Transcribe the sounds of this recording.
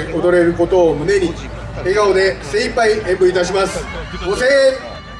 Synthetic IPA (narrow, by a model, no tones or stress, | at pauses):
od̪o̞ɾe̞ɾɯ̟ko̞t̪o̞ːmɯ̟ne̞ɲ̟i | eɡao̞d̪e̞sẽipaiẽmbɯ̟it̪aɕ̬imasɨ̥ | ɡose